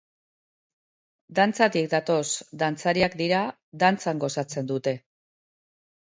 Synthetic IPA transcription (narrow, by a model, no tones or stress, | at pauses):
d̪ant͡sat̪ik̚d̪at̪o̞sd̪ant͡saɾiakd̪iɾa | d̪ant͡saŋɡo̞sat͡se̞nd̪ut̪e̞